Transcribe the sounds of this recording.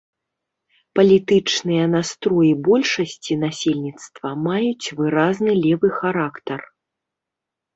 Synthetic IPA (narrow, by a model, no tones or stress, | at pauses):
pɐlʲit̪ɨt͡ʂnɨjɐnast̪ɾɔjibɔlʲʂɐsʲt͡sʲin̪asʲelʲnʲit̪st̪vɐmajut͡sʲvɨɾaznɨlʲɛvɨxaɾakt̪ɐr